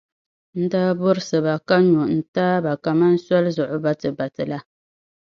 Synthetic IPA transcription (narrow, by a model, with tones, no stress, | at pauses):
n̩˦daː˦bʊ˦ɾɨ˦sɨ˨ba˨ka˦ɲu˨ʔn̩˨taː˦ba˨ka˨ma˦n̩˦sa˦lzʊ˨ʔʊ˨ba˦tɨ˨ba˨tɨ˨la˦